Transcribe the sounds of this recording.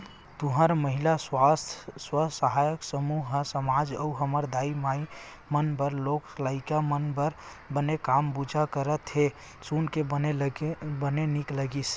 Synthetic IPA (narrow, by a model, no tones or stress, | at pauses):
t̪uɦəɾməɦilaswast̪ʰswəsəɦajəksəmuɦsəmad͡ʒəuɦəməɾd̪aimai | mənbəɾlokslaikamənbəɾ | bənekambud͡ʒʱakəɾət̪ɦe | sunkebənelbənenikləɡis